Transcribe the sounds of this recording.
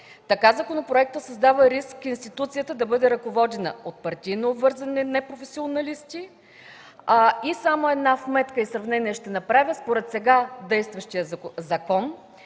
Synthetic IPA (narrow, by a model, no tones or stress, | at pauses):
t̪ɐkazakonopɾoɛk̚t̪əsɐzd̪avəɾiskːinst̪it̪ut̪sijət̪əd̪ɐbɤd̪ɛɾɐkovɔd̪ɛnə̰ot̪̚pɐɾt̪ʲijnoːbvɤɾzɐnɛnɛpɾofɛsionɐlist̪ʲi | isamoɛd̪nasmɛt̪kəisɾɐvnɛniɛʃt̪ɛnɐpɾavʲəspoɾɛt̪sɛɡad̪ɛjst̪vɐʃt̪ijəzɐkɔn